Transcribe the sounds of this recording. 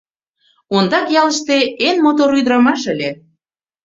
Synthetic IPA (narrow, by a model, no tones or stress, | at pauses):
ond̪ɑkjɑlə̆ʃt̪eenmot̪̬oɾyd̪ɾɑmɑʃə̆lʲe